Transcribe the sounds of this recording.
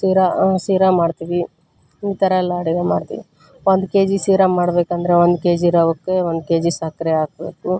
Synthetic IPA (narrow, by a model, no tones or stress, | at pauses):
siːɾasiːɾamaːɖt̪iʋi | it̪ɐɾɐɛlːaːɽiɡema̰ːɽt̪ḭʋi | ʋond̪ke̞ːd͡ʒisiːɾamaːɽbeːkɐnd̪ɐɾeʋond̪keːd͡ʒiɾɐʋɐkːeʋond̪keːd͡ʒisɐkɐɾeaːk̚beːku